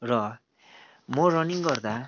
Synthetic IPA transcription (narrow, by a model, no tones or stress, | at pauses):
rʌ | morʌniŋɡʌrd̪a